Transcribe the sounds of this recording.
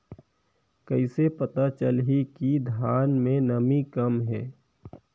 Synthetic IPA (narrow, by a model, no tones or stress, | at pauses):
kəɪsepət̪at͡ʃəlɦikid̪ʱjaːnmẽnəmikəmɦɛː